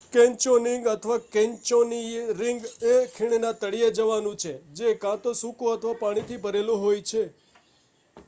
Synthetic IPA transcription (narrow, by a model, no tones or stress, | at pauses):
kẽɲt͡ʃonɪŋɡət̪ʰəʋakɛ̃ɲt͡ʃoniɾɪŋɡekʰiɽ̃enat̪əɽied͡ʒəʋanũt͡ʃʰed͡ʒekãt̪õsũkõət̪ʰəʋapaɽ̃it̪ʰibəɾelõɦojt͡ʃʰe